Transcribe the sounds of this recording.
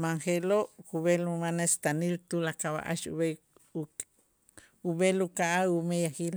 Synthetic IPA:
maŋxeloʔkuβelumanest̪anilt̪ulakaβa̰ʔa̰ʃṵβe | uβelukaʔaumejaxil

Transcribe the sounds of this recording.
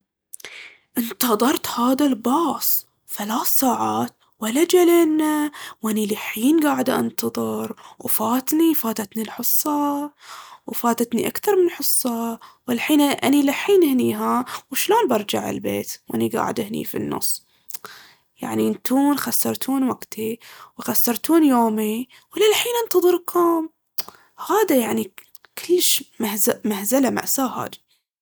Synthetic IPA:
ʔɪnt̪ɑðˤɑɾˤt̪haːðalbɑːsˤ | θalaːθsːaːʕaːt̪ | walːad͡ʒaleːnːawʔanilɪħiːnɡaːʕɪd̪ʔɑ̰nt̪ɑðˤɨɾwfaːt̪nifaːt̪at̪nilħʊsˤːɑ | wfaːt̪at̪niʔakθɑɾˤmɪnħɨsˤːɑwɪlħiːnʔanilaħːiːnhniːɦawʃloːnbɑɾˤd͡ʒaʕɪ̰lbḛːt̪wʔa̰niɡa̰ːʕɪd̪ɪhnḭːfḭnːʊ̰sˤː | ja̰ʕnint̪ʰuːnxasːɑɾˤt̪ʰuːnwaɡ̥t̪ʰiwxasːɑɾˤt̪uːnjoːmi | wlalħiːnʔant̪ɑðˤɨɾkʰoːm | haːd̪ajaʕni | kʰɪlːʃmahzamahzalama̰ʔsaːha̰ːd̪i̥

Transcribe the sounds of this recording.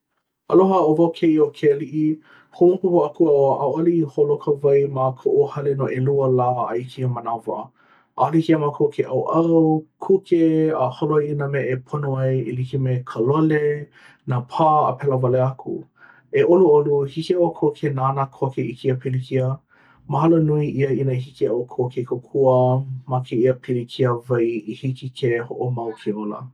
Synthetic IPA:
ɐloɦəovawkʰeiokʰeliʔi | hoopuhoɐkuaoʔawɐliiholokʰəvɐjmakʰoʔuhɐlenoʔeluəlaːa̰ikʰiəmɐnavɐ̰ | ʔa̰likiəmakʰokʰeʔɐwʔɐwkʰukeəholoiinəmeʔepʰonoɐjelikimekʰəlole | napʰaːə̰pʰɛlɐvɐleɐkʰṵ | eʔoluoluhikiokʰokʰenaːnakʰokeikʰiəpilikʰiə | mɐɦɐlonuiʔiəinɐiɦikiawkʰokekʰokʰuəmakʰeiəpʰilikʰiəvɐjihikikʰehoʔomɐwkʰiolɐ̰

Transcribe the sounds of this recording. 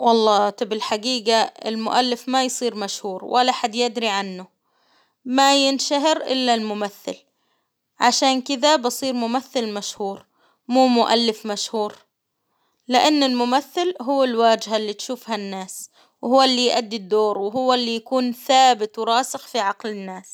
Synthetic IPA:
wɑlˤːɑːt̪ɑbɪlħaɡiːɡaɪ̰lmʊʔalːɪfmajsˤiːɾmaʃhuːɾwʔalːaħad̪jɪʔd̪ɾiʕanːʊ | majɪnʃaɦɪɾʔɪ̰lːalmʊmaθːɪ̰l | ʕaʃaːnkɪd̪abɨsˤiːɾmʊmaθːɪlmaʃhuːɾ | muːmʊʔalːɪfmaʃhuːɾ | lɪʔanːɪlmʊmaθːɪlɦʊwːalwaːd͡ʒɦalːiːt̪ʃuːfhanːaːs | whʊwːalːiːjʔad̪ːid̪ːoːɾwɪɦʊwːalːijakuːnθaːbɪt̪wɾˤɑːsɪxfiʕɑqlɪnːaːs

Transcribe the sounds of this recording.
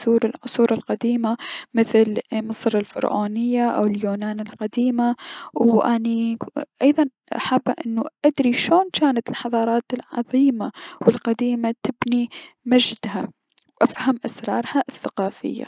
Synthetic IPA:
suːɾɪlʕʊsˤuːɾɪlqad̪iːmamɪθlmɨsˤɾˤɪlfɪ̰ɾʕo̰ːnɪjːaʔa̰wɪljoːnaːnɪlqad̪iːmawʔaniʔɑjðˤɑn | ʔa̰ħabːaʔɪnːuʔad̪ɾiʃoːnkaːnat̪ɪlħɑðˤɑːɾˤɑːt̪ɪlʕɑ̰ðˤiːmawɪlqad̪iːmat̪ɪbni | mad͡ʒd̪ha | wʔafhamʔasɾˤɑːɾˤhaʔθːaqɑːfɪ̰jːa̰

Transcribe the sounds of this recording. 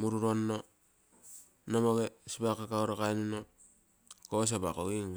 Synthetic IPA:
muɾuɾonːo | nomoɡesipakːakauɾakajnino | kos̬abakoɡiŋ

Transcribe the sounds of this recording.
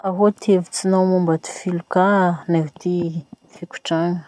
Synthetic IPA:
aɦot̪ʰevi̥t͡sinawmumbat̪i̥filukanaɦut̪i | fikʲu̥ʈ͡ʂaŋə

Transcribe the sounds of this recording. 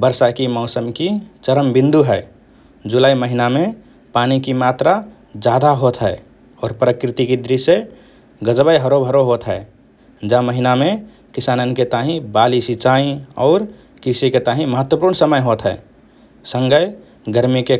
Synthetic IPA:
bəɾsakimɔʊsəmkit͡ʃəɾəmbĩnd̪uɦɛː | d͡ʒulaːiməɦinamẽ | paːnikimat̪ɾa | d͡ʒad̪aɦot̪ɦɛe | ɔːɾpɾəkɾɪt̪ikid̪ɾise | ɡəd͡ʒbəjɦəɾobʱəɾoɦot̪ɦɛː | d͡ʒaməɦinamẽ | kisaːnənket̪aɦĩbalisit͡ʃaĩɔ̰ːɾ | kɾsiket̪aɦĩməɦət̪ːwəpuːɾɳsəməjɦot̪ɦɛː | sə̃ŋɡəj | ɡəɾmike

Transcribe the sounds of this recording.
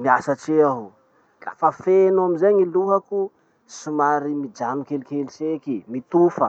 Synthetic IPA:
miasəʈ͡ʂeaɦu | ra̰fəfenuamizeɲiluɦaku | sumaɾimid͡ʒamikelikelisekimit̪ufə

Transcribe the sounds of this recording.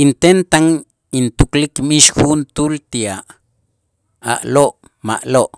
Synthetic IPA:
int̪ent̪aŋ | int̪uklikmiʃhunt̪ult̪iaʔ | a̰ʔloʔ | ma̰ʔloʔ

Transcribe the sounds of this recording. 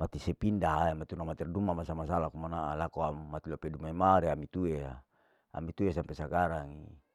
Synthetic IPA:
mat̪isepindaɦaemat̪iunamat̪irdumamasamasalakumanaʔalakoamat̪ilopedumaimaɾeamit̪uea | a̰mit̪uesampesakaɾaŋḭ

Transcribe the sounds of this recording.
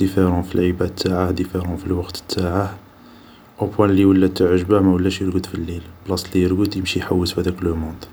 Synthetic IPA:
d̪̥ifeɾɑ̃filʕəbæt̪ːaʕad̪ifeɾɑ̃filwɑqt̪ə̥t̪ʰːaʕa | ʔopwæ̃lːiwəlːæt̪ːəʕəʒbamæwəlːæʃjəɾɡəd̪filːilblɑsˤlijəɾɡəd̪jəmʃiħawːəsfhæd̪ækləmɔ̃d̪

